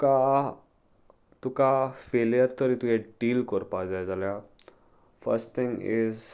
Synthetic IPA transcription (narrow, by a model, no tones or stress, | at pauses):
ka | t̪ukafeljəɾt̪əɾit̪ujɛʈiːlkəɾpad͡zajd͡zalja | fə̰ɾsʈt̪ʰĩŋɡiz